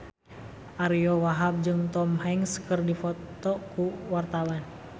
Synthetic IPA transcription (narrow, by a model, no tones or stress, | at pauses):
ʔaɾiɔwaɦab̚d͡ʒɨŋt̪ɔmɦɛŋskərdifɔt̪ɔkuwart̪awan